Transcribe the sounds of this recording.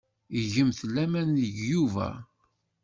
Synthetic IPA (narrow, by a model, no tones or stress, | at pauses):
iʝəmθəlːæmænəʝjuvæ̰